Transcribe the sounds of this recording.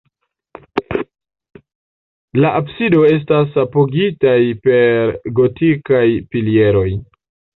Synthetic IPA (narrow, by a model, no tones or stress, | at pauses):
laʔabsido̞e̞s̬tas̬apoɡitajpe̞ɾɡo̞tikajfilie̞ɾo̞j